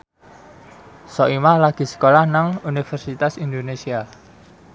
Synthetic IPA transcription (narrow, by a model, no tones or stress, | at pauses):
sɔʔimahlaɡ̥i̤sə̥kolahnaŋunifɛrsit̪asind̪onesia